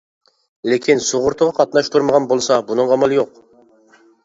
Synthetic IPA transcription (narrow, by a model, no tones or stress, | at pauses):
lekʲʰinsoʁʊɾt̪ʰəʁɑqʰɑt̪nɑʃt̪ʰuɾməʁɑnbolˠsɑbunɨŋɑmɑlˠɪjoq